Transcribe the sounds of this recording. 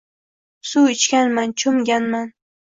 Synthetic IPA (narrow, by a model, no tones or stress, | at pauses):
suɪt͡ʃkʲanmant͡ʃʰʊmɡʲanman